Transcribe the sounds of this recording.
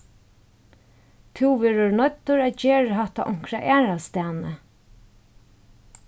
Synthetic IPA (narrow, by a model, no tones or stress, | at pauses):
t̪ʰuwʋɛːɹənɔt̪ːʊɹæceːɻəɦaht̪a̰ʔɔŋ̥kɾaʔæːɾast̪æːnə